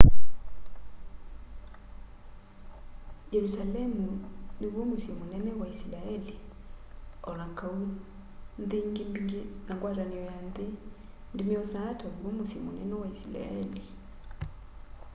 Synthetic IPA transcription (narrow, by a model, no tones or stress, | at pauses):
jeɾusalemuniβumusimunɛnɛwaisilaeli | ɔlaŋkʰau | nd̪iːŋɡimbiŋɡinaŋɡwaːɾaniɔjandi | ndimiɔsatʰoβumusimṵnɛ̰nɛwaisila̰eli